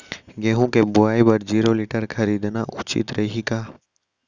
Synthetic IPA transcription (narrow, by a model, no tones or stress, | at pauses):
ɡeːɦũkebʊaːibəɾd͡ʒiːɾoːliʈəɾkʰɐɾiːd̪naʔʊt͡ʃḭt̪ɾɐiɦikaː